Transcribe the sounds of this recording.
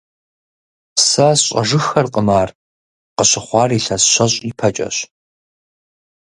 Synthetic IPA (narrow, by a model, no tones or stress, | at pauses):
sɐɕʼɐ̰ʒɨxɐrqʼəmaːr | qəɕɪχʷɑːriːɬɐsɕʷɐɕʼipʰɐt͡ʃʼɐ̰ɕ